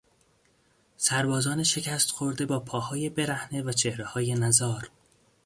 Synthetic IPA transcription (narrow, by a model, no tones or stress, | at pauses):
sæɾbɒːzɒːneʃe̞cʰæst̪xo̞ɾd̪e̞bɒːpʰɒːhɒːje̞be̞ɾæhnevæt͡ʃʰe̞hɾehɒːje̞næzɒːɾ